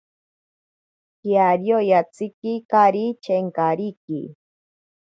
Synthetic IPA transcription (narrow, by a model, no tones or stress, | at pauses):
kjaɾjojat͡sikikaɾit͡ʃeŋkaɾikḭ